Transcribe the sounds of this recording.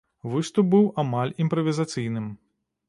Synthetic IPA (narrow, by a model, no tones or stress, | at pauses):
vɨst̪up̚bɨwʔamalʲimpɾɐvʲizat̪sɨjnɨm